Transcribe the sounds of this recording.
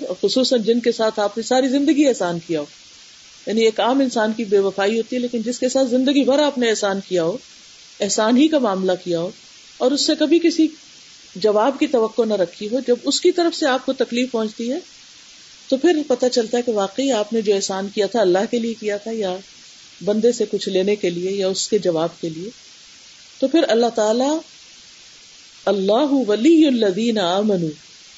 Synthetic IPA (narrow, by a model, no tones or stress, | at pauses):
xʊsuːsənd͡ʒɪnkesaːt̪ʰaːpnesaːɾizɪ̃nd̪əɡiɛːsaːnkijaɦoː | jaːnieːkaːmɪnsaːnkibeːʋɐfaːiɦoːt̪iɦɛleːkɪnd͡ʒɪskesaːt̪ʰzɪ̃nd̪əɡibɐɾaːpneɛːɦsaːnkijaɦoː | ɛɦsaːnɦikamaːmlakijaɦoː | ɔːɾʊsːekɐbʱikɪsi | d͡ʒɐʋaːbkit̪ɐʋɐqːonɐɾɐkʰːiɦod͡ʒɐbʊskit̪ɐɾəfseaːp̚kot̪ɐkliːfpɐ̃ɦʊ̃t͡ʃt̪iɦɛː | t̪opʰɪɾpɐt̪at͡ʃɐlt̪aɦɛkeʋaːqeiaːpned͡ʒoːɛːsaːnkijat̪ʰaɐlːaɦkeliekijat̪ʰaja | bɐ̃nd̪esekʊt͡ʃʰleːnekeliejaʊsked͡ʒɐʋaːb̚kelie | t̪opʰɪɾɐlːaɦt̪aːla | ɐlːaːɦʊʋɐlijʊlːɐðiːnɐaːmɐnuː